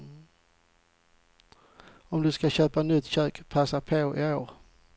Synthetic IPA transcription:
ɔmd̪ɵskaɕøːpanʏt̪ːɕøːkpʰasapʰoːɪoːɾ

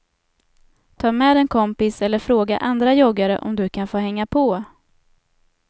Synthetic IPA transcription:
t̪ʰɑːmɛːd̪ɛnkʰɔmpɪsɛlːəɾfɾoːɡaʔand̪ɾajɔɡaɾə̰ʔɔ̰md̪ɵkʰanfoːɦɛŋːapʰɔ

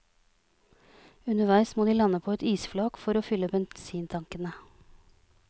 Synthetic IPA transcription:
ʉnəʋæɪsmoːd̪iːlɑnəpʰoːɛt̪iːsflɑːkfɔɾoːfʏləbɛnsiːnt̪ʰɑŋkənə

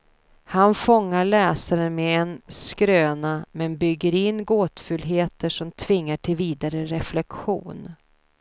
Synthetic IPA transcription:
hanfɔŋːaɭɛːsaɾənmɛɛnskɾøːnamɛnbʏɡːəɾɪnːɡoːt̪fɵlɦeːt̪əʂɔmt̪ʰvɪŋːaʈʰɪlviːd̪aɾəɾɛflɛkɧṵːn

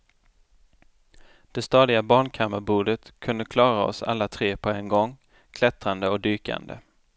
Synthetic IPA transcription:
d̪̥ɛst̪ɑːd̪ɪɡabɑːɳkʰamːaɾbuːɖ̪ət̪kʰɵnd̪əkʰlɑːɾaɔ̰sa̰lːat̪ʰɾeːpʰɔɛnɡɔŋː | kʰlɛt̪ɾand̪əɔkd̪yːka̰nd̪ə̰

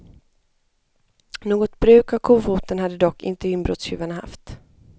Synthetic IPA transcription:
noːɡɔt̪bɾʉ̟ːkavkʰuːfuːt̪ənhad̪ːəd̪ɔkːɪ̰nt̪əɪnbɾɔ̰t̪sjʉ̟ːvanaha̰ft̪

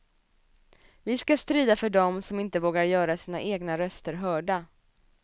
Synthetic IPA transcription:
vɪskast̪ɾiːd̪afœɖɔmsɔmɪnt̪əvoːɡaɾjœːɾasiːnaʔeːɡnaɾœst̪əɾɦœːɖa

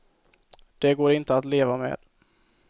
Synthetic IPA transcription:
d̪̥ɛɡoːɾɪnt̪əat̪leːvamḛːd̪̥

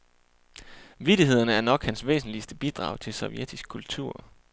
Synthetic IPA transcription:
ʋid̥iɦe̝ð̞̰ˠɐnəæɐnɒ̽ɡ̥hænsʋḛːsn̩liəsd̥əb̥id̥ʁɑ̈ʊt͡sʰe̝lsɒ̽ʊjed̥isɡ̥̚kʰːult͡sʰuɐ̰

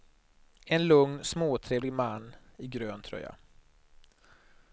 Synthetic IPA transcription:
ɛnlɵŋnsmoːt̪ʰɾeːvlɪɡmanːɪɡɾøːnt̪ʰɾœ̰jːa̰

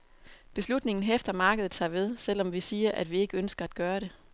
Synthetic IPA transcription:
b̥e̝slud̥ne̝ŋn̩efd̥ɐmɑ̈ːɡ̥əð̞̩ˠt͡sʰɑ̰̈ːʋe̝ð̞ˠsel̰ɒ̽mʋisiːɐʔæd̥ʋie̝ɡ̥əønsɡ̥ɐæd̥ɡ̥ɶːɐɾe̝

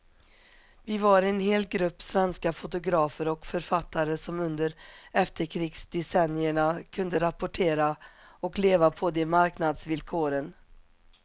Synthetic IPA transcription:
vɪvaɾɪɛnheːlɡɾɵpːsvɛnskafʊt̪ʊɡɾɑːfəɾɔkfœɾfat̪ːaɾəsɔmɵnd̪əɾɛft̪əɾkʰɾiːksd̪ɛsɛnːɪəɳakʰɵnd̪əɾapʊʈʰeːɾaɔkleːvapʰɔd̪ɛmaɾknad̪svɪlkʰoːɾən

